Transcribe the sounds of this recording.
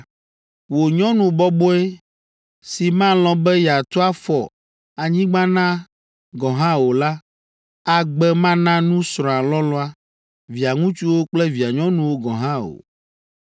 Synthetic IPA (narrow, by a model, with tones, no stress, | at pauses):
wo˨ɲɔ̃˦nũ˨bɔ˦bɔ˦e˦ | si˨mã˦lɔ̃˨bɛ˦ja˨t̪ɔ˦a˦fɔ˨ | a˨ɲĩ˦ɡ͡bã˦nã˦ | ɡɔ̃˨ɦã˦wo˨la˦ | a˨ɡ͡bɛ˦mã˦nã˦nũ˦sɾɔ̃˨a˨lɔ˦lɔ˦a˦ | vi˨a˨ŋũ˦t͡ʃu˦wo˦k͡plɛ˦vi˨a˨ɲɔ̃˦nũ˨wo˦ɡɔ̰̃˨ɦã˦o̰˨